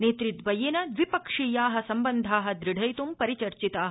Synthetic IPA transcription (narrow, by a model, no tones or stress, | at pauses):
neːt̪ɾit̪ʋɐjeːnɐd̪ʋipɐkʂiːjaːɦɐsɐmbɐnd̪ʱaːɦɐ̆d̪ɾiɖʱɐjt̪umpɐɾit͡ʃɐɾt͡ʃit̪aːɦ